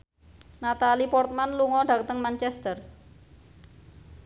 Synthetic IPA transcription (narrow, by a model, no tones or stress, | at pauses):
nat̪alipɔrt̪̚manluŋɔɖ̥a̤k̚t̪əŋmant͡ʃɛst̪ər